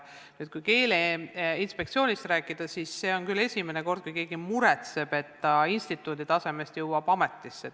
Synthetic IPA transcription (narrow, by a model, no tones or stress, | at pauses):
nyːd̪̚kujke̞ːleːinspe̞k̚t̪sio̞ːnʲist̪ɾæːkˑːid̪̥ɑsisːe̞ːo̞nkyle̞sʲime̞neko̞rd̪̥̚kujke̞ːɡ̥imuɾet̪se̞b̥e̞t̪ːɑinst̪it̪ːˑuːd̪it̪ɑse̞me̞st̪juwɑb̥ɑme̞t̪ˑːisːe